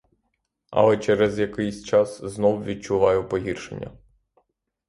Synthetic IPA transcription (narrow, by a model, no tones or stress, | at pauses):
ɐ̰lˠɛt͡ʃɛɾɛzjɐkɪjsʲt͡ʃɑsznɔwʋʲid̚t͡ʃʊʋɑjʊpɔɦʲirʃḛnʲːɐ̰